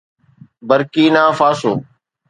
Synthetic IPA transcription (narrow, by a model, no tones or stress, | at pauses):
bəɾkiːnaːfaːsoː